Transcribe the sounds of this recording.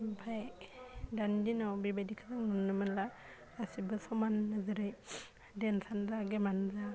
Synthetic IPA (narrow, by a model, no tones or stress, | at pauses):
bʰaj | dandinawbibadikʰazaŋnunːɯmɯnla | ɾasibɯsɔmanːɯzɯɾɯj | densanzaɡemanza